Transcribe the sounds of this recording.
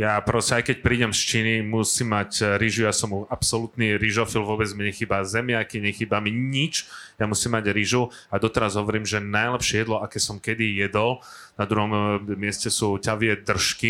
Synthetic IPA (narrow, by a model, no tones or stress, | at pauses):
japɾɔscɛajkɛc̚pɾiːɟɛmst͡ʃiːnimusiːmːacɾiʒujasɔmuapsɔlut̪niɾiʒɔfilʋʊɔbɛd͡zmiɲɛxiːbazɛmɪaakiɲɛxiːbamiɲit͡ʃjamusimːaɟɾiʒu | ad̪ɔt̪ɛɾazɦɔʋɔɾiːmʒɛnajlɛpʃɪɛjɛd̪lɔʔakɛːsɔmkɛd̪ijɛd̪ɔl | nad̪ɾuɦɔmːɪɛscɛsuːcaʋɪɛd̪r̩ʃki